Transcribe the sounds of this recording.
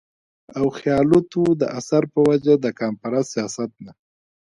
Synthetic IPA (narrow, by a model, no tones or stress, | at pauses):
awxjɑlut̪ud̪ə̰ʔasaɾpəwad͡ʒad̪əkɑmfaɾɑsːijɑsat̪̚na